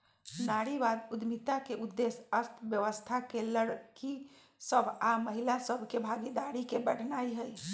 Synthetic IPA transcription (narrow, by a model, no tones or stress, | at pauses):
naɽibad̪ud̪mit̪akeʔud̪ːesəst̪ʰbjəʋəst̪ʰakeləɽki | səbʱaməɦilasəbʱkebʱaɡid̪aɾikebəɽnaiɦəj